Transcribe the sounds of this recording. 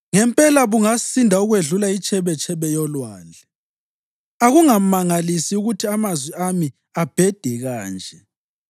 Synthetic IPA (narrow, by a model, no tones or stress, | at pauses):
ŋɛmpʼɛlaβuŋasindʱauɣweɮulait͡ʃʼɛβɛt͡ʃʼʰɛβɛjɔlwaːlʱɛ | aɣuŋamaŋalisiuɣutʰiamazwɛami | ab̥ʱɛd̥ʱɛɣaːnd͡ʒʱɛ